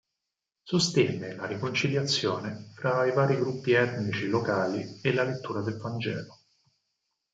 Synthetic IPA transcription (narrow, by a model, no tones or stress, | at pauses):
sost̪ɛnːelaɾikont͡ʃiljat̪sːjoːnefɾaivaːɾiɡɾupːiɛt̪nit͡ʃilokaːlielalet̪ːuːɾad̪elvand͡ʒɛ̰ːlo